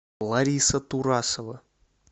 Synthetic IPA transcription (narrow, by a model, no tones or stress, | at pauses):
lˠaɾʲisət̪uɾasovə